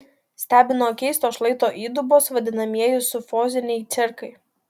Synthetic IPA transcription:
sʲt̪ʲæːbʲɪnoːkʲɛɪst̪oːʃlˠɐɪt̪oːʔiːd̪ʊboːsʋɐd̪ʲɪnɐmʲiɛjʊsʊfoːzʲɪnʲɛɪt̪sʲɪɾkɐɪ

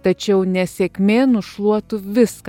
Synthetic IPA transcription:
t̪ɐt͡ʃʲɛʊnʲɛsʲɛkʲmʲeːnʊʃlˠuɔt̪ʊʋʲɪsk

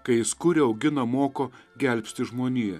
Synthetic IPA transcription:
kɐɪɪskʊɾʲɪɐʊɡʲɪnɐmoːkoːɡʲɛlʲpʲst̪ʲɪʒmoːnʲiːjɛ

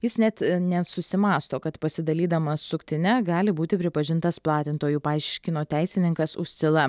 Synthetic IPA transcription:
jɪsnʲɛt̪nʲɛsʊsʲɪmɑːst̪oːkɐt̪pɐsʲɪd̪ɐlʲiːd̪ɐmɐssʊkt̪ʲɪnʲɛɡɑːlʲɪbuːt̪ʲɪpʲɾʲɪpɐʒʲɪnt̪ɐsplˠɑːt̪ʲɪnt̪oːjuːpɑɪʃʲkʲɪnoːt̪ʲæɪsʲɪnʲɪŋkɐsʊ̰ʃʲsʲɪlˠɐ

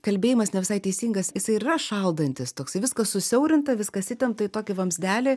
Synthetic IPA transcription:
kɐlʲbʲeːjɪmɐsnʲɛʋʲɪsɐɪt̪ʲɛɪsʲiːŋɡɐsjɪsɐɪɪɪrɐʃɐlˠd̪ɐnʲt̪ʲɪst̪oːksɐɪʋʲɪskɐssʊsʲɛʊɾʲɪnt̪ɐʋʲɪskɐsʲɪt̪ʲɛmpt̪ɐɪt̪oːkʲɪʋɐmʲzʲd̪ʲæːlʲɪ

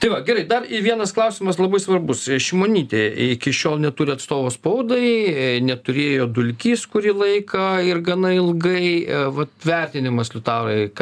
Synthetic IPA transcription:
t̪ɐɪʋɐɡʲɛɾɐɪd̪ɐrɪʋʲiɛnɐsklˠɐʊsʲɪmɐslˠɐbɐɪsʋɐrbʊsʃʲɪmoːnʲiːt̪ʲeːɪkʲɪʃʲoːlˠnʲɛt̪uːɾʲɪɐt̪st̪oːʋoːspɐʊd̪ɐɪnʲɛt̪ʊɾʲeːjoːd̪ʊlʲkʲiːskʊɾʲiːlˠɐɪkɐɪrɡɐnɐɪlˠɡɐɪʋɐt̪ʋʲɛrʲt̪ʲɪnʲɪmɐslʲʊt̪ɑːɾɐɪk

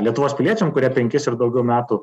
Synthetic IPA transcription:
lʲiɛt̪ʊʋoːspʲɪlʲiɛt͡ʃʲɛmkʊɾʲiɛpʲɛŋʲkʲɪsɪɾd̪ɐʊɡʲɛʊmʲæːt̪u

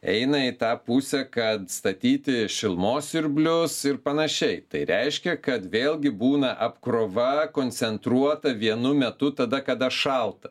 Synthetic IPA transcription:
ɛ̰ɪnɐɪt̪ɑːpʊsʲɛkɐt̪st̪ɐt̪ʲiːt̪ʲɪʃʲɪlˠmoːsɪɾʲbʲlʲʊsɪɾpɐnɐʃʲɛɪt̪ɐɪɾʲɛɪʃʲkʲɛkɐt̪ʋʲeːlˠʲɡʲɪbuːnɐʔɐpkɾoːʋɐkoːnʲt̪sʲɛnt̪ɾuɔt̪ɐʋʲiɛnʊmʲɛt̪ʊt̪ɐd̪ɐkɐd̪ɐʃɐlˠt̪ɐ

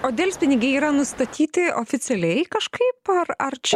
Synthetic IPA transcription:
oːd̪ʲeːlʲsʲpʲɪnʲɪɡʲɛɪiːɾɐnʊst̪ɐt̪ʲʰiːt̪ʲɪʔoːfʲɪt̪sʲɛlʲɛɪkɐʃkʰɐɪpɐɾɐɾt͡ʃʲɛ

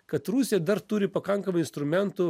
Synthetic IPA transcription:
kɐt̪ɾuːsʲed̪ɐɾt̪ʊɾʲɪpɐkɐŋkɐmɐɪnst̪ɾʊmʲɛnt̪u

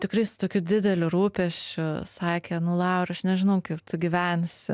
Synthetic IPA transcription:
t̪ʲɪkɾɐɪsʊ̥t̪oːkʲuːd̪ʲɪd̪ʲɛlʲʊɾuːpʲɛʃʲt͡ʃʲʊsɑːkʲenʊlˠɑʊɾʲɐʃnʲɛʒʲɪnɐʊkɐɪpt̪ʊɡʲɪʋʲænʲs

